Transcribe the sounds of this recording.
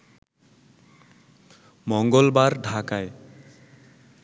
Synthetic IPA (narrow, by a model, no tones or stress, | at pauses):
mɔŋɡɔlbaɹɖʱakaj